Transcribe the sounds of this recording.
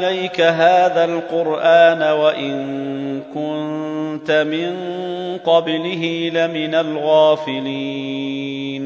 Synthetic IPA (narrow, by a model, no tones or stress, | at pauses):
lajkaɦaːðalqʊɾʔaːnawaʔɪnkʊnnt̪amɪnqɑblɪɦilamɪnalɣaːfɪliː | n